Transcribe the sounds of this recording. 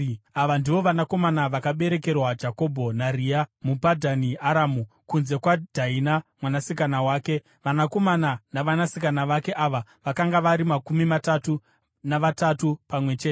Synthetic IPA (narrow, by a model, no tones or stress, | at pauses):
aʋandiʋo̞ʋanako̞manaʋakaɓe̞ɾe̞ke̞rwad͡ʒako̞bʱo̞nariamupadʱaniaɾaːmu | kunze̞kwad̥ʱainamwanasikanawaːke̞ | ʋanako̞mananaʋanasikanaʋake̞ʔaʋaʋakaŋɡaʋaɾimakumimatatu | naʋatatupamwe̞t͡ʃeːte